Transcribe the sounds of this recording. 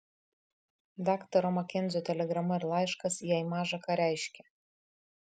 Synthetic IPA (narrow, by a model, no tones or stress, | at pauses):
d̪ɑːkt̪ɐɾomɐkʲɪnd̪zʲot̪ʲɛlʲɛɡɾɐmɐɪɾlˠɑɪʃkɐsijɛɪmɑːʒɐkɑɾʲæˑɪʃʲkʲɛ